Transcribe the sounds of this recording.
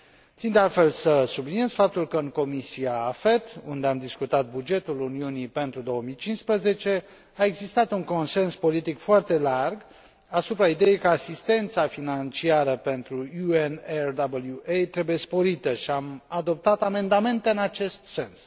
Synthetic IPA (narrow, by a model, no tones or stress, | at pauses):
t̪sind̪ealt̪fe̞lsəsublinie̞z̥fap̚t̪ulkəɨŋko̞misiaːfet̪ṵnd̪e̞amd̪iskut̪at̪̚bud͡ʒe̞t̪uluniunipe̞nt̪ɾud̪o̞wəmijt͡ʃinspɾəze̞t͡ʃe̞ | ae̞ɡzist̪at̪uŋko̞nse̞nspo̞lit̪ikfoart̪e̞larɡ | asupɾaid̪e̞jejkəasist̪e̞nt̪safinant͡ʃiaɾəpe̞nt̪ɾuuenerd̪abəljuʔejt̪ɾe̞buje̞spo̞ɾit̪əʃiamad̪o̞p̚t̪at̪ame̞nd̪ame̞nt̪e̞ɨnat͡ʃe̞st̪se̞ns